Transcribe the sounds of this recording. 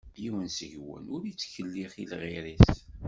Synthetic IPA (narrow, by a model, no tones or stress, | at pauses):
bjiwənsəʝwə̰nʊɾjit͡sːçəlːiχilʁiɾis